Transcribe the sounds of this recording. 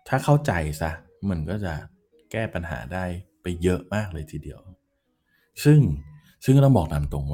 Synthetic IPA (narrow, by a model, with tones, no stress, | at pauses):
t̪ʰaː˥˩kʰa˥˩wt͡ɕa˧jsa˦˥ʔ | ma˧˩ənkɔː˥˩t͡ɕa˨˩ | kɛː˥˩pa˧nɦa̰ː˩˦daː˥˩jpa˧jːɤ˦˥ʔmaː˥˩k̚lɤː˧jt̪ʰiː˨˩di˧əw | sɯ˥˩ŋ | sɯ˥˩ŋ˦ɾa˥˩bɔː˨˩k̚na˨˦mt̪o˧ŋwa˥